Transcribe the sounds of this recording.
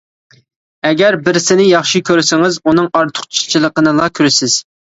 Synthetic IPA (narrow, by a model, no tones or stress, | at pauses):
ɛɡʲɛɾbɪɾsɪnɪjɑχʃikʲʰøɾsɪŋɨzunɨŋɑɾt̪ʰʊ̥χt͡ʃʰi̥t͡ʃʰilˠəqənɨlˠɑkʲʰyɾɪsɪz̥